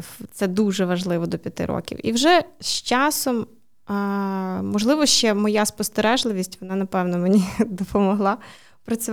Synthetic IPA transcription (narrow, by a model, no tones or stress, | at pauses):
t̪sɛd̪uʒɛʋɐʒlˠɪʋɔd̪ɔpʲjɐt̪ɪ̰ɾɔ̰kʲḭwḭwʒɛst͡ʃɑsɔm | mɔʒlˠɪʋɔʃt͡ʃɛmɔjaspɔst̪eɾɛʒlˠɪʋʲisʲtʲʋɔnɑnɐpɛwnɔmenʲid̪ɔpɔmɔɦlˠɑ | pɾɐt͡sʲʊ